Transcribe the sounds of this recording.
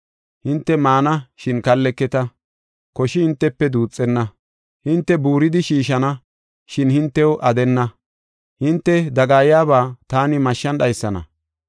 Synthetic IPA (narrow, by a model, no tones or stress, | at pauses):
hɪnt̪ːɛmaːnɐʃɪnkɐlːɛkːɛt̪ɐ | kɔʃɪhɪnt̪ːɛpːɛd̪uːt͡sʼːɛnːɐ | hɪnt̪ːɛbuːɾɪd̪ɪʃiːʃɐnɐ | ʃɪnhɪnt̪ːɛwʔɐd̪ɛnːɐ | hɪnt̪ːɛd̪ɐɡaːjjaːβaːt̪aːnɪmɐʃːɐnɗɐjsːɐnɐ̰